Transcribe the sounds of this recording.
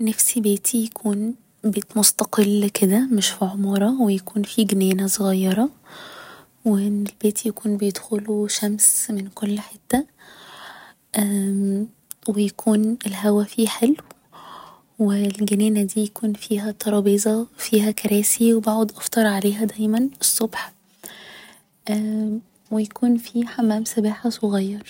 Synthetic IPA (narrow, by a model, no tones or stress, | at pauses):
næfsibeːt̪ʰijækʰuːn | beːt̪most̪ɑqelːked̪æmeʃfiʕomɑɾˤɑwejækuːnfiɡenæːnæsˤoɣɑjːɑɾˤɑ | weelbeːt̪jækuːnbejed̪xoluʃæmsmenkolːħet̪ːæ | ʔæ | wejækʰuːnelɦæwæfiːħelːw | welɡeneːnæd̪iːjækuːnfiːɦæt̪ˤːɑɾˤɑːbiːzˤɑfiːɦækæɾæːsiwebaʕod̪ʔɑft̪ˤɑɾˤʕaleːɦæd̪æjmænesˤːobħ | ʔæː | wejækuːnfiːħamːæːmsæbaːħasˤoɣɑjːɑɾˤ